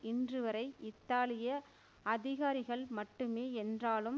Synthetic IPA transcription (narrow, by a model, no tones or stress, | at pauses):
ʔɪndrɯʋɐɾɐɪʔɪt̪ːaːlɪjɐ | ɐðɪɣaːɾɪɣɐɭmɐʈːɯmeːɛndraːlɯm